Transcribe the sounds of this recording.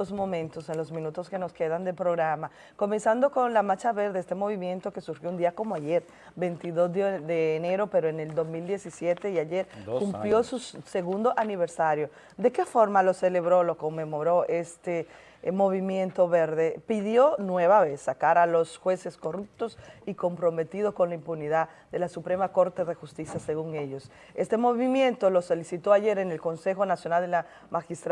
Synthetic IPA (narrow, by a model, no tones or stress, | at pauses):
ozmo̞mẽnt̪o̞senlo̞zmĩnut̪o̞ske̞no̞ske̞ðand̪elpɾo̞ɣɾama | ko̞me̞nsand̪o̞ko̞nlamat͡ʃaβe̞ɾðeest̪emo̞βimje̞nt̪o̞ke̞suɾxjound̪iako̞moaʝeɾ | bent̪iðo̞zdd̪eːne̞ɾo̞pe̞ɾoene̞ld̪ozmild̪je̞sisjet̪e̞iaʝeɾkumpljosuseɣũnd̪oʔaniβeɾsaɾjo̞ | d̪e̞ke̞fo̞ɾmalo̞sele̞βɾo̞lo̞komːemo̞ɾo̞ʔest̪e | mo̞βimje̞nt̪o̞βeɾðe̞piðjo̞nwe̞β̞aβe̞sːakaɾalo̞sxwe̞sesko̞rup̚t̪o̞siko̞mpɾo̞me̞t̪iðo̞ko̞nlaimpuniða | ðe̞lasupɾe̞mako̞ɾt̪e̞ðe̞xust̪isjase̞ɣuŋe̞ʎo̞s | e̞st̪emo̞βimje̞nt̪o̞lo̞so̞lisit̪o̞aʝe̞ɾene̞lko̞nse̞xo̞nasjonald̪ela | maxist̪ɾ